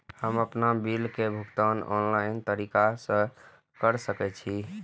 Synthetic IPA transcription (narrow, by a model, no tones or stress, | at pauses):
həməpnabilkebʱukt̪ənɔ̰nlaɪnt̪əɾikasə̃ | kəɾsəkɛt͡ʃʰi